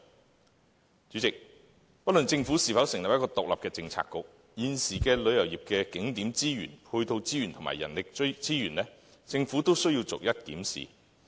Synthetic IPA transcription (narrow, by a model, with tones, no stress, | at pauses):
t͡ʃyː˨˥t͡sɪ˨k̚ | pɐ˥t̚lɵ˨nt͡sɪ˧ŋfu˨˥siː˨˩fɐ˨˥wsɪ˨˩ŋlɐ˨p̚jɐ˥t̚kɔː˧t̪ʊ˨k̚lɐ˨p̚kɛː˧t͡sɪ˧ŋt͡sʰa̰ː˧kːʊ˨k̚ | jiː˨nsiː˨˩kɛː˧lɵ˨˧ɥjɐ˨˩wjiː˨p̚kɛː˧kɪ˨˥ŋt̪iː˨˥mt͡siː˥jy̰ː˨˩nhʰɵ˧t̪o˧wt͡siː˥jy˨˩nt̪ʰʊ˨˩ma̰˨˩jɐ̰˨˩nlɪ˨k̚t͡siː˥jyː˨˩nlɛː˥t͡sɪ˧ŋfuː˨˥t̪o˥wsɵ˥ɥjiː˧wt͡sʊ̰˨k̚jɐ˥t̚kḭː˨˥msḭ˨